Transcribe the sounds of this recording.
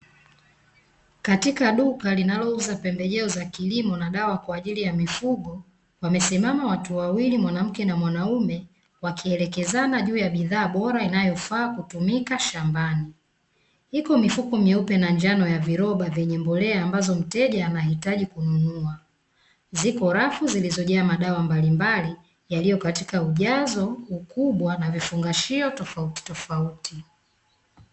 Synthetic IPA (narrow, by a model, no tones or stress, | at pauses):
katikaɗukalinalɔuzapɛmbɛʄɛɔzakilimɔnaɗawakwaːʄilijamifuɡɔ | wamɛsimamawatuwawilimwanam̩kɛnamwanaumɛ | wakiɛlɛkɛzanaʄuːjaɓiðaːɓɔɾainajɔfaːkutumikaʃambani | hikɔmifukɔmjɛupɛnaɲd͡ʒanɔjaviɾɔɓavjɛɲɛmbɔlɛaːmbazɔm̩tɛʄaːnahitaʄikununua | zikɔɾafuzilizɔʄaːmaɗawambalimbali | jalijɔkatikauʄazɔukuɓwanavifuŋɡaʃiɔtɔfauti̥tɔfauti